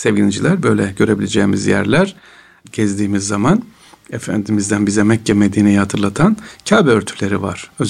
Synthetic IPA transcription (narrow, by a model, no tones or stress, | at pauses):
sevɟilʲid͡ʒilʲæɾbøjlʲɛɟø̞ɾe̞bilʲed͡ʒɛːmizjæ̰ɾlʲæɾ̥ | ɟ̥ɛzd̪iːmizːaman | ɛfænd̪imizd̪ænbizɛmɛcʰːɛmed̪iːnejihat̪ʰɯɾlˠat̪ʰancʰaːbɛøɾt̪ʰy̥lʲe̞ɾḭva̰ɾ̥øz